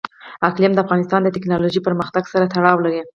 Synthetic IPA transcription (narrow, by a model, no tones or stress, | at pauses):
aklijamd̪əafɣɑnɪst̪ɑnd̪ət̪ɪknɑloʒipəɾməxt̪aɡsaɾat̪aɽɑwlaɾi